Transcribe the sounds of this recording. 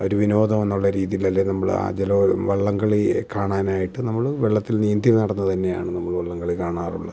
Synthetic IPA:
o̞ɾuʋino̞ːd̪ɐmenːuɭːɐɾiːðijilɐlːenɐmːɐɭa̰ːd͡ʑeloʋɐɭːɐŋɡɐɭikaːɳaːnaːjiʈːɨnɐmːɐɭʋeɭːɐt̪ːilniːnd̪jimnɐɽɐnːɐt̪ɐnːe̞jaːɳɨnɐmːɐɭʋɐɭːɐŋɡɐɭikaːɳaːrṵɭːɐ

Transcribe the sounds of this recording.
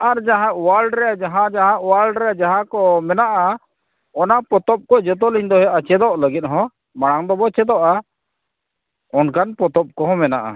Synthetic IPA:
aɾd͡ʒaɦãʔwalɖɾɛjad͡ʒaɦãd͡ʒaɦãʔwalɖɾɛad͡ʒaɦãkɔmɛnaʔa | ɔnapɔt̪ɔp̚kɔd͡ʒɔt̪̬ɔliɲd̪ɔɦɛʔat͡ʃɛd̪ɔʔləɡit̪̚ɦɔ̃ | maɽ̃aŋd̪ɔbɔt͡ʃɛd̪ɔʔa | ɔnkanpɔt̪ɔp̚kɔɦɔ̃mɛna̰ʔa̰

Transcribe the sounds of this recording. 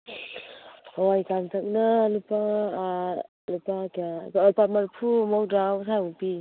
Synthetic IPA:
ɔwajkantʰak̚nalupa | lupakiaɔpat̚maɾpʰumowdawsaupi

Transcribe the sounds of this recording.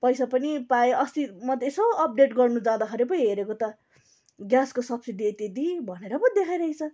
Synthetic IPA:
pʌjsapʌnipaeʔʌst̪imʌd̪ʱːjesʌbʌʌp̚ɖeʈɡʌrnud͡zãd̪akʰʌɾepʌiɦeɾekot̪ʌ | ɡjaskosʌbsid̪iet̪jed̪ibʱʌneɾʌbʌd̪ekʰajɾʌɦit͡sʰʌ

